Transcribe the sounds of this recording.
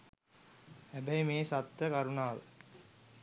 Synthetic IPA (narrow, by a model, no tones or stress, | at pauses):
æbɐjmeːsɐt̪ːɐkɐɾunaːʋ̰